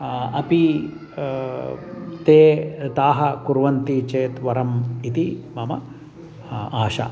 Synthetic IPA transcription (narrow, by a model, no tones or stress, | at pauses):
ɐpi | t̪eːt̪aːɦɐkuɾʋɐnt̪it͡ʃeːt̪ʋɐɾɐmit̪imɐmɐ̰ | aːʃɐ̰